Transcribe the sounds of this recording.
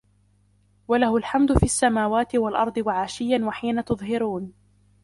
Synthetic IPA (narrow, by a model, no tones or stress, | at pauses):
walahʊlħamd̪ʊfiːasːamaːwaːt̪ɪwalʔɑɾˤd̪ˤɨwaʕaːʃɪjːanwaħiːnat̪ʊðˤɦɪɾuːn